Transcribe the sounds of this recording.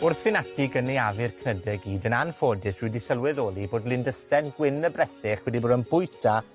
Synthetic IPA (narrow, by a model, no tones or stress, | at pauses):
ʊrθfɪnatʰɪɡənejavɪrkʰnədɛɡiːdənanfoːdɪswɪːdisəlˠwɪðoːlˠiboːdlˠɪndəsɛnɡwɪnəbrɛsɪχwɛdiboːdənbʊjtʰa